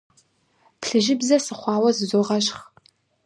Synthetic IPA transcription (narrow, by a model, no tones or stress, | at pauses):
pɬɨʒɪbzɐsɨχʷɑːwɐzɨzoʁɐʃχ